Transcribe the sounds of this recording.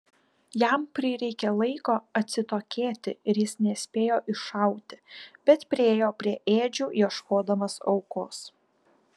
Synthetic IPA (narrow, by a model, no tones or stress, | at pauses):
jæmpʲɾʲɪɾʲɛɪkʲɛlˠɐɪkoːɐt̪ʲsʲɪt̪oːkʲeːt̪ʲɪɪɾjɪsnʲɛsʲpʲeːjoːʔɪʃɐˑʊt̪ʲɪ̥b̥ʲɛt̪pʲɾʲɪeːjoːpʲɾʲiɛʔeːd͡ʒʲuːjiɛʃkoːd̪ɐmɐsɒ̰ʊkoːs